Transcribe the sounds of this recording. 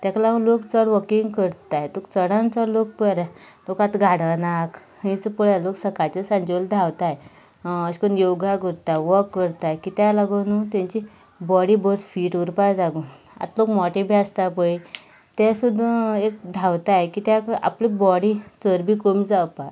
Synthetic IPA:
t̪jaklaɡulokt͡səɽʋəkiŋɡkəɾt̪ajt̪okt͡səɽ̃ãnt͡səlok̚pəɾa | lokat̪ɡʱaɽənak | ĩt͡səpəɭaloksəkat͡ɕəsãɲd͡ʑiəld̪ʱawt̪aj | əɕkonjoɡaɡəɾt̪aʋəkːəɾt̪ajkit̪alaɡonut̪ãɲt͡ɕi | bɔɽibəɾsfiːʈuɾpajd͡zaɡun | a̰t̪lokmɔʈibʱiast̪apəj | t̪ɛsud̪ʱekd̪ʱawt̪ajkit̪jaka̰plibɔɽit͡səɾbikomid͡zawpa

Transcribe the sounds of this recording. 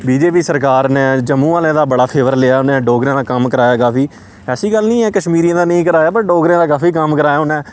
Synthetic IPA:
biːd͡ʒeːpiːsəɾkaːɾneːd͡ʒəmːũːaːlẽːd̪aːbəɽaːpʰeːʋəɾlɪaːʊnẽːɖoːɡɾẽːd̪aːkəmkəɾaːjaːkaːpʰiː | ɛːsiːɡəlnĩːɛːkəʃmiːɾiãːd̪aːnəĩːkəɾaːjaːbəɾ̚ɖoːɡɾẽːd̪aːkaːfiːkəmkəɾaːjaːʊnɛ̃ː

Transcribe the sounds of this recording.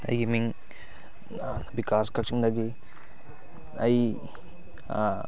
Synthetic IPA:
ɐ̰jɡimiŋ | bikaskɐk̚t͡ʃiŋdɐɡi | ɐj

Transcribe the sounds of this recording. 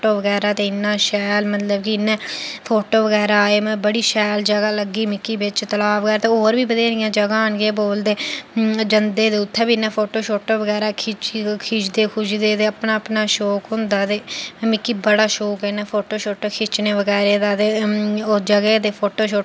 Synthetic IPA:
ʈoːʋəɡɛːɾaːt̪eːɪnːãːʃɛːlmət̪ləbkiɪnːɛ̃ːpʰoːʈoːʋəɡɛːɾaaːeːmɛ̃ːbəɽiːʃɛːld͡ʒəɡaːləɡːiːmɪkːiːbɪt͡ʃt̪əlaːbɡəɾt̪ẽːoːɾbiːbəd̪eːɾɪjãːd͡ʒəɡaːnɡeːboːld̪eːd͡ʒənd̪eːd̪eːʊt̪ʰːɛ̃ːbiːnːɛ̃ːpʰoːʈoːʃoːʈoːʋəɡɛːɾaːkʰɪt͡ʃkʰɪt͡ʃd̪eːkʰʊʃd̪eːt̪eːəpnaːəpnaːʃoːkɦʊ̃nd̪aːt̪ẽːmɪkːiːbəɽaːʃoːkeːnɛ̃ːpʰoːʈoːʃoːʈoːkʰɪt͡ʃneːʋəɡɛːɾeːd̪aːt̪eːoːd͡ʒəɡeːt̪eːpʰoːʈoːʃoː

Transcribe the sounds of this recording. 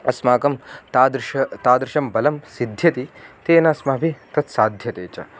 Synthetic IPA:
ɐsmaːkɐmt̪aːd̪ɾʃɐt̪aːd̪ɾɪʃɐmbɐlɐmsid̪ʱjɐt̪it̪eːnaːsmɐːbʱit̪ɐt̪saːd̪ʱjɐt̪eːt͡ʃɐ̰

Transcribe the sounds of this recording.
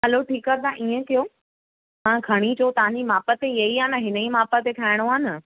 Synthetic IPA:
ɦɐloʈʰiːkət̪ʰãʔiːə̃kijoː | mãːɡʱɐɽ̃it͡ɕʰot̪ɐʋ̤ãɲd͡ʑimaːpət̪ejɐiaːnəɦɪnəimaːpət̪ek̪ʰaːɪɽ̃oaːnə

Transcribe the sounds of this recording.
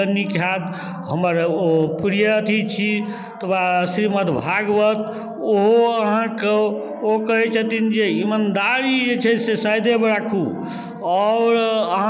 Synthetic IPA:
ənikʰjad̪ | ɦəməɾopɾijət̪ʰit͡ʃʰi | t̪ʰbasɾimət̪bʱaɡbət̪ | oɦoəɦãke | okəɦɛt͡ʃʰət̪ind͡ʒeimand̪aɾid͡ʒet͡ʃʰɛsesajd̪ebeɽakʰu | ɔʊɾəɦã

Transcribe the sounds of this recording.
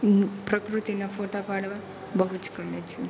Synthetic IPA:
pɾɐkɾut̪inɐpʰoːʈapaːɽɐʋa | bɐɦut͡ʃkɐmet͡ʃʰu

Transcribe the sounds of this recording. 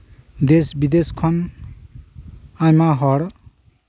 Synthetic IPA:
d̪esbid̪eskʰʌn | ajmaɦɔɽ

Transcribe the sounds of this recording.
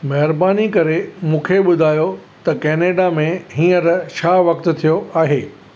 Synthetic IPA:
mɐɦɪɾbaːnikɐɾemũːkʰeɓʊd̪ʱaːjot̪ɐkeːneːɖamẽɦĩːəɾʃʰaːʋɐk̚t̪t̪ʰijoaːɦeː

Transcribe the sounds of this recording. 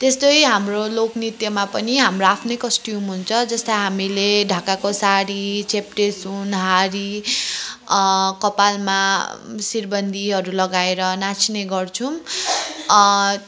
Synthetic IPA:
t̪est̪ʌjɦamroloknit̪jʌmapʌniɦamroapʰnojkʌsʈiumɦunt͡sʰʌd͡zʌst̪ʌjɦamileɖʱakakosaɽit͡sepʈesunɦaɾi | kʌpalmasirbʌnd̪ʱiɦʌɾulʌɡaeɾʌnat͡sʰineɡʌrt͡sʰũ

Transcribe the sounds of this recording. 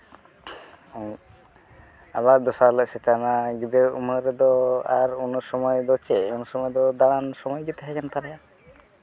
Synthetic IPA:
aβad̪ɔsaləsɛʈanaɡid̪euməɾɛd̪ɔaɾunsɔmɔjd̪ɔt͡ʃɛunsɔmɔjd̪ɔd̪aɽ̃ansɔmɔjɡit̪ɦɛkɛnt̪aɾɛja

